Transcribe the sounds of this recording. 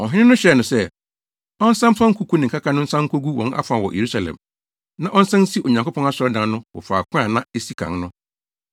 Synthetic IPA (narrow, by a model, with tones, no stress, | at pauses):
ɔ˨ɦɪ̃˦nɪ̃˦nʊ̃˦ɕɛ˨˦˨nʊ̃˨sɛ˦ | ɔ˦n̩˦sã˦m˦fã˦ŋ̩˦kʰu˨˦kʰu˦nɪ̃˨ŋ̩˨ka˦kʰa˦nʊ̃˦n̩˦sã˦ŋ̩˦kʰo˦ɡu˦wɔ̃˨na̰˦fã˨wɔ̰˨jʔḛ˨ɾu˦sa˨lɛ̰̃˨m | nã˦ʔɔ˦n̩˦sã˦n̩˦si˦ʔo˨ɲã˨ko˦pʰɔ̃˦na˦sɔ˨˦ɾɔ˦dã˨n˦nʊ̃˦wɔ̰˨fa̰ː˨kʷʰʊ̃˦a˨nã˦e˦si˦kʰã̰˨ŋnʊ̃˦